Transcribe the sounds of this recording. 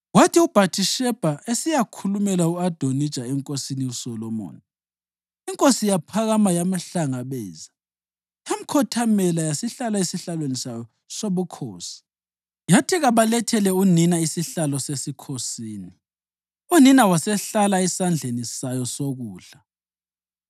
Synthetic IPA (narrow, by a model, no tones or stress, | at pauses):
watiub̥ʱatʰʼiʃɛb̥ʱaesijakʰulumɛlauad̥ʱonid̥ʒ̥ʱaɛŋkʼosiniusɔlɔmo̰ːni | iŋkʼosijapʰaɣamajamaɬaŋaβɛːza | jam̩kʰɔtʰamɛlajasiɬalaisiɬalwenisajɔ | soβukʰoːsi̥ | jatʰiɣaβalɛtʰɛlɛuninaisiɬalɔsesikʰosiːni | uninawasɛɬalaɛsand͡ɮʱenisajɔsoɣuːɬa